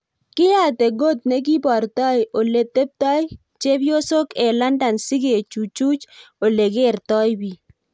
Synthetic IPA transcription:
kɪ˦ja˦˨te˨ɡo˦t̚ne˦k̬i˦bɔ˨ɾtɔ˦jʔo˨le˨t̪e˦p̚tɔ˦j | t͡ʃe˦bjo˦so˦kɛ˨la˦nda˨nsɪ˦ɡe˨t͡ʃu˨t͡ʃu˦t͡ʃo˨le˨ɡe˦˨ɾtɔ˦jbi˨

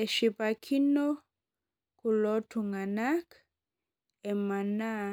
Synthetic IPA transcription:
ɛ˨ʃi˨pa˨kʰi˦no˦ | ku˨lɔ˦tʰu˨ŋa˨na˦k | ɛ˨ma˨na˦

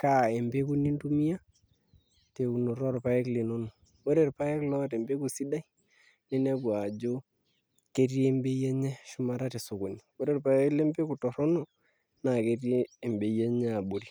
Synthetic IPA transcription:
ka˦˨e˨mbe˦ku˦ni˦ndu˦mi˦a˦ | te˨ku˨no˨ɾɔ˦ɾpa˨˦jɛ˦kle˨no˦no˨ | wo˦ɾe˦ɾpa˦jɛ˦klɔ˦te˨mbe˦ku˨si˦da˦i˦ | ne˦nɛ˦bwa˨d͡ʒo˦ | ke˦ɾje˦mbe˦jɛ˦ɲɛ˦ʃʊ˦ma˦ɾa˦te˨so˨ko˨ni˨wo˦ɾe˦ɾpa˨jɛ˦kle˦mbe˦ku˨tɔ˨ɾɔ˦nɔ˦ | na˨ke˦rjeː˦˨mbe˨je˦ɲɛ˦a˨bo˨ɾi˨

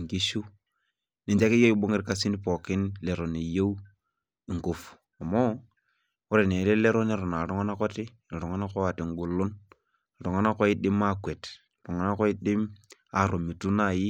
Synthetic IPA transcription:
ŋki˦ʃu˦ | ni˨t͡ʃa˦ki˦jo˦i˦bo˦ŋɪ˦ɾka˦si˦n˦pɔ˨kɪ˦nle˨ɾo˨ne˨je˦w | i˨ŋko˨f | a˨mɔ˦ | ʊ˦ɾe˨ne˨˦ɾe˦le˦ɾo˦ne˦ɾɔ˨na˨ɾu˦ŋa˦na˦kɔ˦ti˦˨ | ɾu˨ŋa˦na˦kɔ˦a˨ti˨ŋ˦ɡu˨lʊ˦n˨ | ɾu˨ŋa˦na˦kɔ˦i˦dɪ˦ma˦kwe˨t | ɾu˨ŋa˨na˦kɔ˦i˦dɪ˦ma˨ɾo˨mi˨tu˦na˦˨ji˦

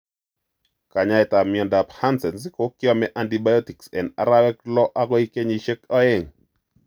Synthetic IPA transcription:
ka˨ɲa˦ɛ˨ta˨mɪ˨ɔ˨nda˨pha˦nsɛ˨nsiko˦kɪ˦ɔ˦mɛʔa˨ntiba˦jɔti˨ksɛ˨na̰˨ɾa˦wɛ˦klɔ˦ʔa˦ɡɔ˦i˦ke˦ɲi˨ʃe˦kɔ˦e˦ŋ

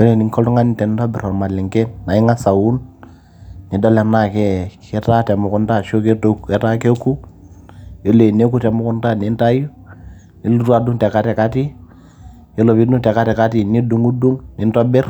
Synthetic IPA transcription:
bɛ˦le˨ni˨ŋkɔ˦lu˦ŋa˦ni˨tɛ˨n˦tɔ˦bɪ˨ɾɔ˨ma˨lɪ˨ŋkɛ˦nːa˨i˦ŋa˦sa˨wu˦n | ni˨dɔ˦lɛ˨na˦˨kɛ˦kɛ˦ta˦tɛ˨mʊ˨ku˦nta˦ʃo˦ke˦kɛ˦ta˦ke˦ku˦ | e˦le˨ne˦ku˦tɛ˨mʊ˦kʊ˦nta˦ni˨˦nta˦ju˦ | ni˨˦lu˦tu˦a˨du˦ŋtɛ˨ka˦tɛ˨ka˦ti˦ | ɛ˦lɔ˨pi˦du˦ŋtɛ˨ka˦tɛ˨ka˦ti˨ni˦du˨ŋu˦du˦ŋni˨˦ntɔ˦bɪ˦r

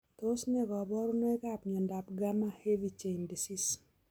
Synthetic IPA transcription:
to˦sɲɛ˦ɡɔ˨bɔ˦ɾʊ˦no˦ɛ˦ka˦˨pɲɔ˨nda˨pɡa˦ma˦he˦vi˨t͡ʃe˨ndi˨si˦s

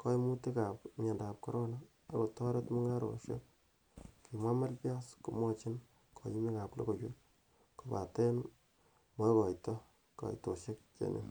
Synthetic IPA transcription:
ko˦jmu˦ti˦ka˨pmɛ˨nda˨p̚kɔ˦ɾɔ˦na | a˦ko˨tɔ˦ɾe˦tmu˦ŋa˦ɾo̰˨ʃḛ˦k̚ | ki˨mwa˦ma˦ɾpja˦sku˨mɔ˦t͡ʃi˦n | kʰɔ˨ji˦mi˦ka˨plo̰˦ko˨t͡ʃu˦ | ko˨pa̰˨te˦n | mo˦kɔ˨itɔ˦ | kɔ̰˨ito˨ʃe˦k̚t͡ʃḛ˨nḛ˨

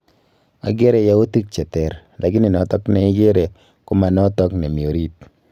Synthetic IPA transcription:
a̰˨ɡe˦ɾe˨ja˦u˦ti˦k̚t͡ʃɛ˨tɛ˨ɾ | lʔa˨ɡi˦ni˨nɔ˨tɔ˦knɛ˨i˦ɡe˦ɾe˨ | kʊ˦ma˨nɔ˦tɔ˦kne˨mi˨o˨ɾi˦t̚

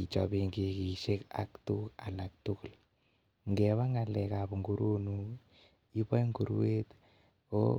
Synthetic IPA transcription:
i˨t͡ʃɔ̰˨biŋɡe˦ki˨ʃe˦ka̰˨ktu˦ka˨la˨k̚tu˦kl | ŋɡɛβa˦ŋa˨lɛ˨kapu˨ŋɡu˦ɾo˦nu | i˦pa˦jŋɡu˨ɾwe˦t | o̰˦

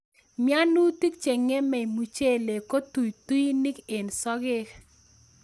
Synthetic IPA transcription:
mja˦nu˦ti˦kt͡ʃe˨ŋe˦mɛ˨i˨mu˨t͡ʃe˦le˨ko˦tu˨jtu˦i˦ni˦ke˨nsɔ˦ɡɪ˦k

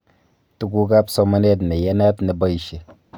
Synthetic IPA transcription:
tu˦ɡu˦ɡa˦pso˦ma˦ne˦t̬ne˨je˦na˦tne˨ba˦i˨ʃe˨

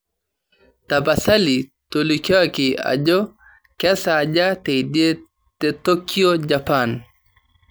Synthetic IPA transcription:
ta˨ba˨sa˦li˨ | tolika˦kɪ˨a̰˨d͡ʒɔ˦ | kɛ˦sa˨d͡ʒa˦te˨idje˦ | teto˦ki˦o˦d͡ʒapan

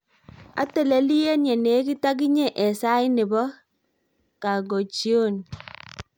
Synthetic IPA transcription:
a̰˦te˦˨le˦li˦e˦nje˨ne˨˦ki˦ta˦k̬i˦ɲe˦˨ʔɛ˨sa˦ɪ˦nɪ˨bɔ˦ | ka˨ɡo˨t͡ʃi˦o˦˨n

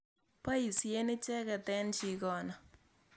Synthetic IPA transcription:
pa˦i˨sje˦nɪ˦t͡ʃɛ˦kɛ˨tɛ˦nt͡ʃi˨kɔː˦na˨

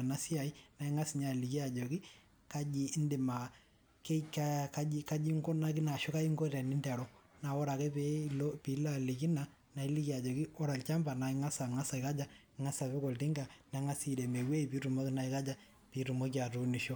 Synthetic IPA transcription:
na˦sɪ˦a˨i˦na˨i˦ŋa˦sɪ˨ɲa˦˨li˨ki˦a˨d͡ʒɔ˨kɪ˦ | ka˦d͡ʒi˦ndɪ˨ma˨ | ke˦ka˦ka˦i˦ka˦d͡ʒi˦ŋɡɔ˦na˦k̬ɪ˦na˨ʃɔ˦ka˦i˦ŋɡo˦ɾa˨nɪ˦ndɛ˨ɾɔ˦na˨ɔ˦ɾa˨kɛ˦pe˦lo˦pi˨˦la˦˨li˨ki˦na˨ | na˨i˦li˦ki˦a˨d͡ʒɔ˨kɪ˦ɔ˦ɾa˨lt͡ʃa˦mba˨na˨ɪ˦ŋa˦sa˨ŋa˦sa˨ɪ˨ka˦d͡ʒa˦ | ŋa˦sa˨βɪ˦kɔ˨ltɪ˦ŋɡa˨na˨˦ŋa˦si˦˨de˨me˨we˦i˨piː˦ɾu˨mo˦kɪ˦na˨i˨ka˦d͡ʒa˨ | pi˨˦ɾu˨mo˦ki˦a˨tu˦ni˨ʃɔ˦

